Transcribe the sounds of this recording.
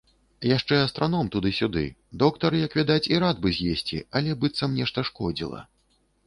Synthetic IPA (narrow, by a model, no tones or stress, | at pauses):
jaʂt͡ʂɛɐst̪ɾʔanɔmt̪ud̪ɨsʲud̪ɨ̰d̪ɔkt̪ɐɾɨjɐkvʲad̪at͡sʲiɾad̪̚bɨzʲjesʲt͡sʲḭɐlʲɛbɨt̪sːɐmnʲɛʂt̪ɐʂkɔd͡zʲḭlˠɐ̰